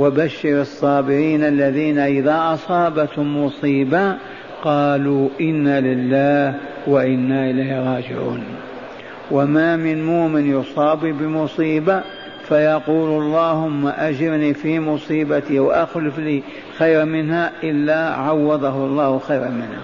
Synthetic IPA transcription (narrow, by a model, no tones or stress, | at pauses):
wabaʃːɪɾɑsˤːɑːbɪɾiːnʔalːaðiːnaʔɪðaʔɑsˤɑːbat̪hʊmːʊsˤiːba | qɑːluʔɪnːalɪlːaːh | waʔɪnːaʔɪlaːhɾˤɑːd͡ʒɪ̰ʕṵːn | wamaːmɪnmoːmɪnjʊsˤɑːbibɪmʊsˤiːba | fajɑquːlɑlˤːɑːhʊmːaʔad͡ʒɪɾniːfiːmʊsˤiːbat̪iwaʔaxlɪfliː | xajɾmɪnhaʔɪlːaʕawːɑd̪ˤɑɦʊɑlˤːɑːhʊxajɾamɪnha̰